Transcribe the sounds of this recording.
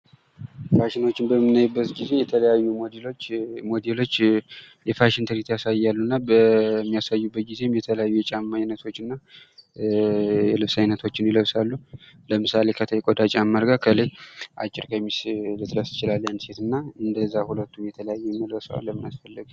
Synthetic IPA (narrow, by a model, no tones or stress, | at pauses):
faʃɪno̞t͡ʃːɪmbəmːɨnːajubːət̪ɡize̞jɛt̪ʰələjajːumlmo̞d̪elo̞t͡ʃː | jɛfaʃɪnt̪ʰəɾit̪jasajːalːunːabəmːijasajːubːət̪̚ɡize̞mjɛt̪ʰələjajːujɛt͡ʃʼamːajnːət̪ʰo̞t͡ʃːɨnːa | jɛlɨβsajnət̪ʰo̞t͡ʃːɪnjɪləβsalːuləmɨsale̞kʰət̪ʰəjkʼod̪at͡ʃʼamːəɾɡakʰəleʔa̰t͡ʃʼːɪɾkʰəmːislɨt̪ɾəsɨ̥t͡ʃɪlalːjand̪se̞t̪ɨnːaɨnd̪əzːahulət̪ːumjɛt̪ʰələjajːɛmːəd̪əsa̰lːəmːɨnasfəlːəɡ